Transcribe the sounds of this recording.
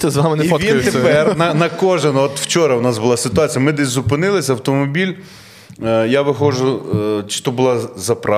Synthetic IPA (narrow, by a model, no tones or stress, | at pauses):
t̪ɛzʋamɪniɔʋʲit̪epɛrnɐnɐkɔʒenɔt̪w̥t͡ʃɔɾɐwnɑsbʊlˠɑsɪt̪ʊɑt͡sʲijɐmɪd̪ɛsʲzʊpɪnɪlˠɪsʲɐwt̪ɔmɔbʲilʲ | jaʋɪxɔʒʊt͡ʃɪ̥t̪ɔbʊlˠɑzɐpɾɑ